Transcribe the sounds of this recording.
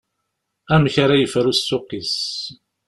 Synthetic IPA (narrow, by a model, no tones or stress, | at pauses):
æmçaɾajəfɾusːʊqis